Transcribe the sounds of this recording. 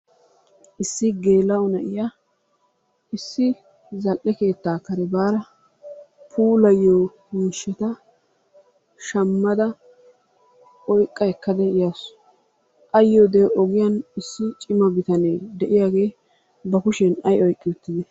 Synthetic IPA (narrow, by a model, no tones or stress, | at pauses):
ʔɪsːɪɡe̞ːlːɐɔnɐʔɪja | ɪsːɪ | zɐlʔɛke̞ːt̪ːaːkːɐɾɛbaːɾɐ | pʰuːlɐjːoː | miːʃɛt̪ɐ | ʃɐmːɐd̪ɐ | ɔjkʼːɐɛkːɐd̪ɛɪjas | ʔɐjːoːd̪eʔɔɡɪjɐnɪsːɪt͡ʃʼɪmɐbɪt̪ɐneːd̪ɛʔɪjaːɡe̞ː | bɐkʊʃɛnɐjɔjkʼːɪɛt̪ːɪd̪ɛ